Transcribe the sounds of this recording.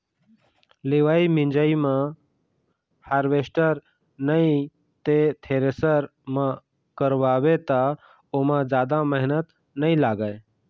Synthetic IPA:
leːʋaːimɪ̃nd͡ʒəimã | haːɾʋeːsʈəɾ | nəi | t̪et̪ʰeːɾesəɾmã | kəɾʋaːwet̪a | omãd͡ʒaːd̪aməɦnət̪ | nəĩlaːɡae

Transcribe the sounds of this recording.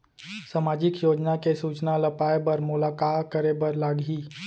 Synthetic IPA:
samaːd͡ʒɪkjoːd͡ʒnakesuːt͡ʃnalɐpaːjbɐɾmʊlaːkaːtkəɾebəɾlaːɡɦiː

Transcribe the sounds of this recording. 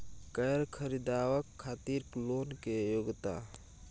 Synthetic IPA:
kəɾkʰəɾid̪awəkʰːat̪iɾklonkejoɡt̪a̰

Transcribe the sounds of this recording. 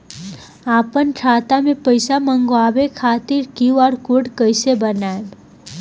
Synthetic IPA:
aːpənʈʰaːt̪amẽpəjsamə̃ŋɡoaːbekʰaːt̪iɾkiɔːɾkoɽkəɪsebənaeb

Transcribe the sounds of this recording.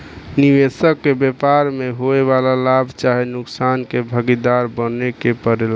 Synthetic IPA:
niʋesəkːebepaɾmeɦoeβalalabʱt͡ʃaɦinuksankebʱəɡid̪aɾbənekepəɾel

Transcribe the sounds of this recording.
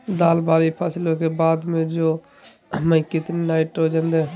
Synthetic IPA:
d̪aːlbaːlipʰaːsɪlokebaːd̪mẽd͡ʒoː | mə̃ĩkɪt̪nenaːɪʈɾoːd͡ʒãːnd̪e

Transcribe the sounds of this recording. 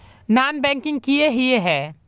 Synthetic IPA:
naːnbɛ̃ŋkɪ̃ŋɡ̚kijeɦieɦɛː

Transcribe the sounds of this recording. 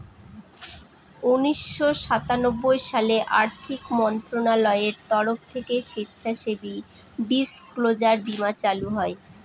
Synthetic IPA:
uniʃːoʃat̪anobːojʃaleʔaɾt̪ʰikmɔnt̪ɾonalɔeeɾt̪ɔɾoft̪ʰekeʃit̪ːɕʰaʃebi | bisklod͡ʑaɾbimat͡ɕaluɦɔe

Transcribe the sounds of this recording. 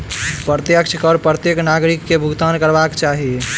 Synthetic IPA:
pɾət̪jəkt͡ʃʰkɔɾpɾət̪jeknaɡɾikːebʱuɡt̪ankəɾbakt͡ʃaɦi

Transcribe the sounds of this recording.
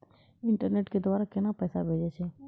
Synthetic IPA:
ɪɳʈəɾneːʈked̪ʋaːɾakɪnapɛːsabʱeːd͡ʒet͡ʃʰe

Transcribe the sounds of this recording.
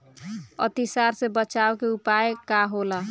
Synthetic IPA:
ə̰t̪isaɾsebət͡ʃaokeupaekaɦola

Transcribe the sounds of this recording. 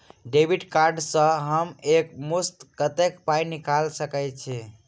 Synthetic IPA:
ɖebʱiɖkaɾɖsə̃ɦəmekmust̪kət̪ekpajnikalsəkɛjt͡ʃʰi

